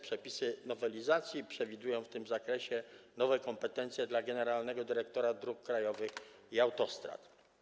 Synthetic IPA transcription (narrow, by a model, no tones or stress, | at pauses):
pʂɛpʲisɘnɔvɛlʲizat̪sʲjipʂɛvʲid̪ujɔ̃w̃ft̪ɘmzakɾɛɕɛnɔvɛkɔmpɛt̪ɛnt̪sʲjɛd̪laɡɛnɛɾalnɛɡɔd̪ɘɾɛk̚t̪ɔɾad̪ɾukːɾajɔvɘxiawt̪ɔst̪ɾa̰t̪